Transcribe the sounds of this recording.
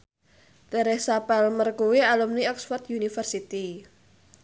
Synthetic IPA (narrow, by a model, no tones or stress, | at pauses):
d̪aɾɪhsapalmərkuwialumniɔksfɔrt̪junifərsit̪i